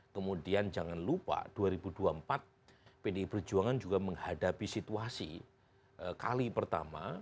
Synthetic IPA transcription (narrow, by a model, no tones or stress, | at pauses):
kəmudiand͡ʒaŋanlupa̰d̥uaɾibuduampat̪̚ | pedeipərd͡ʒuaŋand͡ʒuɡaməŋhadapisit̪uasḭ | ʔəkalipərt̪a̰ma̰